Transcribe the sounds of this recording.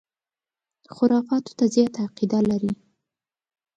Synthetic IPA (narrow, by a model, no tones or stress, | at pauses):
xʊɾɑfɑt̪o̥t̪azjɑt̪aːqid̪alaɾi